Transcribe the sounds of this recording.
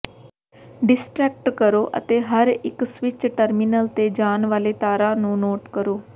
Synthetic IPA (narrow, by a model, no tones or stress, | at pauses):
ɖɪsʈɾɛːk̚ʈkəɾoːʔə̰t̪eːɦəɾɪksʋɪt͡ʃʈəɾminəlt̪eːd͡ʒaːnʋaːleːt̪aːɾãːnũːnoːʈkəɾoː